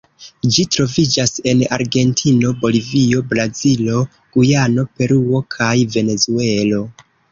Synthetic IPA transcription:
d͡ʒitɾo̞vid͡ʒase̞na̰ɾɡe̞ntʰino̞bo̞livio̞bɾazilo̞ | ɡ̥ujano̞pe̞ɾuo̞kʰajve̞ne̞zue̞lo̞

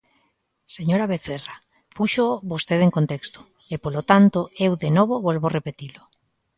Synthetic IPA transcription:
seɲoɾaβ̞eθera | puʃoβost̪eðeŋkont̪ekst̪o̥ | epolot̪ant̪oewðenoβoβolβorepet̪ilo

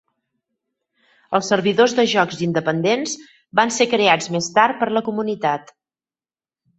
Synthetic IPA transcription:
əlˠsːəɾβiðozðəʒɔkzind̪əpənd̪enz | bansekɾead͡zmest̪aɾ̚pəɾləkumunit̪at̪

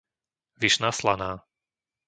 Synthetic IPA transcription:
ʋiʃnaːslanaː

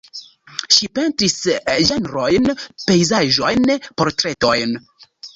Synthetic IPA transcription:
ʃipe̞ntɾisʒanɾojnpe̞jzaʒo̞jnpoɾtɾe̞to̞jn

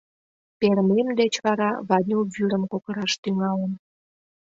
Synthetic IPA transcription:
peɾmemd̪et͡ɕβɑɾɑβɑnʲoβyɾəmkokəɾɑʃt̪yŋɑlən

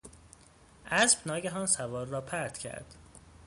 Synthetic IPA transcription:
ʔæsb̥nɒːɟæɦɒːnsævɒːɾːɒːpʰæɾt̪cʰæ̰ɾd̪̥

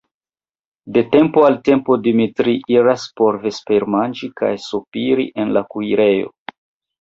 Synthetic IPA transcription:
de̞te̞mpoalte̞mpo̞dimitɾiʔiɾaspo̞ɾve̞spe̞ɾmand͡ʒika̰jsupiɾḭʔe̞nlakujɾe̞jo̞̰

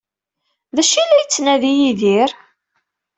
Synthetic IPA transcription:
ðæʃilæjət͡sːnæðijiðiɾ

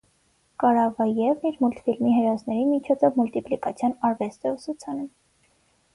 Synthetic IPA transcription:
kɑɾɑvɑjɛvniɾmult̪filmiɦɛɾɔznɛɾimit͡ʃʰɔt͡sʰɔvmult̪iplikɑt͡sʰjɑnɑɾvɛst̪ɛusut͡sʰɑnɛm

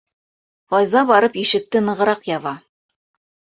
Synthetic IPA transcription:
qɒjzɑbɑɾɤpiʃɘ̆k̚t̪ɘnɤ̆ʁɤ̆ɾɑqjɑβɑ

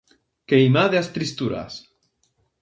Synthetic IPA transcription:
kejmaðeast̪ɾist̪uɾa̰s

